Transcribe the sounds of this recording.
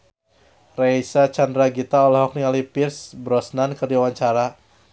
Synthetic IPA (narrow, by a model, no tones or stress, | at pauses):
rajsat͡ʃandɾaɡit̪aɔlɔɦɔk̚niŋalipirsbɾɔsnankərdiawaɲt͡ʃaɾa